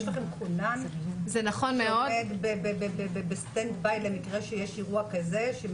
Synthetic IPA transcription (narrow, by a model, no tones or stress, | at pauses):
ʃlaχemkʰunamzenaχonmeodet̪bebebebebebest̪end̪bajtlemikʁeʃejeʃiʁuakazeʃe